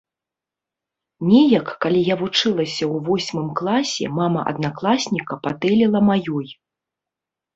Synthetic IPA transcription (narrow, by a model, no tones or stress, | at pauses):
nʲɛjɐkːalʲijavut͡ʂɨlˠɐsʲɐwvɔsʲmɨmklˠasʲɛ̰mamɐ̰ʔɐ̰d̪naklˠasʲnʲikɐpat̪ɛlʲilˠɐmajɔj